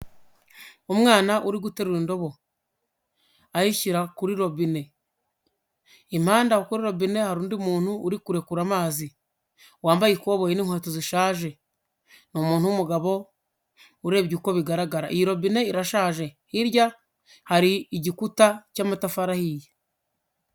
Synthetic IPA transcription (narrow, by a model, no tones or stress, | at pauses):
umŋaːnaʔuɾiɡute̞ɾuɾindo̞βo̞ | ahiʃiɾakuɾiɾo̞βine̞ | im̥haːndahokuɾiɾo̞βine̞haɾuːndiumuːn̥huːɾikuɾe̞kuɾamaːzi | waːmbajikoβojiniŋhweːtoziʃaːʒe̞ | nomuːn̥humuɡaβo̞ | uɾe̞ːβɟuko̞βiɡaɾaɡaɾa̰iiɾo̞βine̞iɾaʃaːʒe̞hiɾja | haɾiiɟikutacaːmatafaɾahije